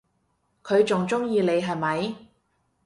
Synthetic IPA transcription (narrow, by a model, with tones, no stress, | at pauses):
kʰɵ˨˧ɥt͡sʊ˨ŋt͡sʊ˥ŋjiː˧le˨˧jɦɐ˨˩jmɐ˨˧j